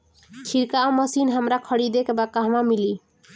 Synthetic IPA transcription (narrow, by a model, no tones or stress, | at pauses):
kʰiɾkaɔməsinɦəmɾakʰəɽid̪ekbakaɦmamili